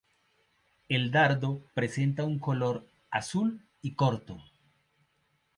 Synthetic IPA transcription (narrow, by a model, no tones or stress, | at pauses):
eld̪aɾd̪opɾese̞nt̪auŋkolo̞ɾ | a̰sul | ikoɾt̪o